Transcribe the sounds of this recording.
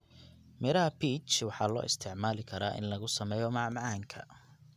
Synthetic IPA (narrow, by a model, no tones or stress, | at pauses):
mɛɾɐɦɐpʰiːt͡ʃwɑħɑːlɔ̰ːʔɪst̪ʰɪʕmaːlɪkʰɐɾaːʔɪ̰nlɐɣʊsɐmɛːjɔmɑʕmʕɑːŋkʰɐ̰